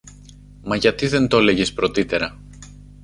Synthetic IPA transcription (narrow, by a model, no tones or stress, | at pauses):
mɐʝɐt̪iðe̞nt̪o̞le̞ʝspɾo̞t̪it̪e̞ɾɐ